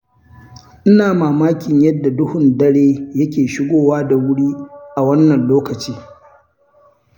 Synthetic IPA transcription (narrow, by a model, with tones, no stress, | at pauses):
ʔɪ˦naː˨maː˨maː˦kʲɪ˨ɲjɐ˦dːa˨dʊ˦hʊ˨ndɐ˦ɽeː˦jɐ˦kʲeː˨ʃɪ˦ɡʷoː˦waː˦da˨wʊ˦ɽiː˦ʔa˨wɐ˦nːɐ˨nloː˦kɐ˨t͡ʃiː˦